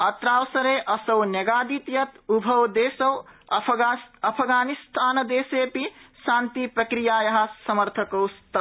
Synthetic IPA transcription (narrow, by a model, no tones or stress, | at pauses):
ɐt̪ɾaːwsɐɾeːʔɐsɐwnɐɡaːd̪it̪jɐt̪ubʱɐwd̪eːsɐwɐɐpʰɡaːnist̪ʰaːnɐd̪eːseːpiʃaːnt̪ipɾɐkɾijaːjɐɦɐ̆sɐmɐɾt̪ʰɐkɐwst̪ɐ